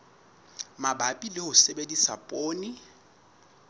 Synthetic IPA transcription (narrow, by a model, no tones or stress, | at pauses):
mabapʼilɪhʊsebedisa̰pʼoːni